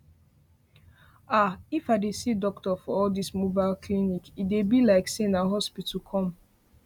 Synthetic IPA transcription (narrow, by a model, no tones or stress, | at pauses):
aifaɪdesidɔk̚tɔfɔɔldismobaɪlkʰlinikidebilaɪksenaɦɔspitukʰɔ̃m